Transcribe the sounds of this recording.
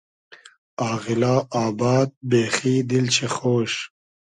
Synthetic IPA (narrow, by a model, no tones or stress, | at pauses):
aːɣɪlaːaːbɑːd̪̚beːxiːd̪ilt͡ɕʰexoːʃ